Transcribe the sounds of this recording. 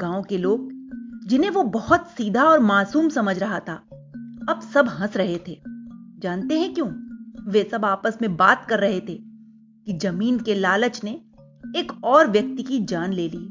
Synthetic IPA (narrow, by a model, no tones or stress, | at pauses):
ɡ̥ãːõkeloːɡ̚d͡ʒɪnɦẽʋobɐhʊt̪siːd̪ʱaɔːɾmaːsuːmsɐməd͡ʒʱɾɐɦat̪ʰaː | ɐbsɐbɦɐ̃sɾɐɦet̪ʰeːd͡ʒaːnt̪eɦɛ̃kjõːʋesɐbaːpəsmẽbaːt̪̚kɐɾːɐɦet̪ʰeː | kid͡ʒɐmiːnkelaːlət͡ʃne | eːkɔːɾʋjɐk̚t̪ikid͡ʒaːnleːliː